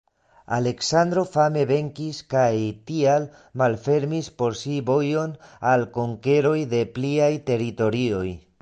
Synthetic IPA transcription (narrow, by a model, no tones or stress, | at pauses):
a̰le̞ksand̪ɾo̞fame̞βe̞ŋkiskajtial | malfe̞ɾmispo̞ɾsibo̞jo̞nalko̞ŋke̞ɾo̞jde̞pliajte̞ɾito̞ɾio̞j